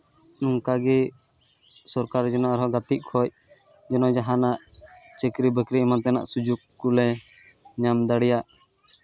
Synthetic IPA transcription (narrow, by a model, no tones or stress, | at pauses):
nuŋkaɡɛ | sɔɾkaɾd͡ʒɛnɔaɾɔɡat̪iʔ̚kʰɔc̚ | d͡ʒɛnɔd͡ʒaɦanaʔt͡ʃɛkɾibəkɾimant̪ɛna̰ʔsud͡ʒukːulɛ | ɲamd̪aɽijaʔ